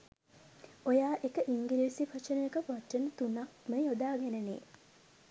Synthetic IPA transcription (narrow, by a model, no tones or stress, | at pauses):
ojaːʔekəʔiŋɡiliːsifat͡ʃənəjekəpaʈːənət̪unakməjod̪aːɡɛnənḛː